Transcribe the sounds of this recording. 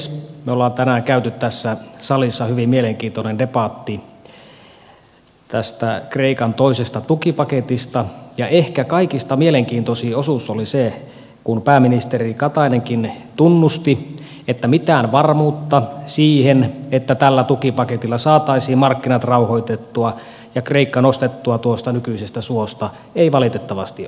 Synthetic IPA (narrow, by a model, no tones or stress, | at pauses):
smeolːɑːnt̪ænæːŋkæyt̪yt̪t̪æsːæsɑlisːɑhyʋimmieleŋkiːnt̪onendepɑˑt̪ːi | t̪æst̪ækreikɑnt̪oisest̪ɑt̪ukipɑket̪ist̪ɑjɑʔehkækɑikist̪ɑmieleŋkiːnt̪osiːosusolise | kunpæːminist̪erikɑt̪ɑineŋkin | t̪unːust̪i | et̪ːæmit̪æːnʋɑrmuːt̪ːɑsiːhenet̪ːæt̪ælːæt̪ukipɑket̪ilːɑsɑːt̪ɑisiːmmɑrkːinɑt̪rɑuhoit̪et̪ːuɑ | jɑkreikːɑnost̪et̪ːuɑt̪uost̪ɑnykyisest̪æsuost̪ɑ | eiʋɑlit̪et̪ːɑʋɑst̪i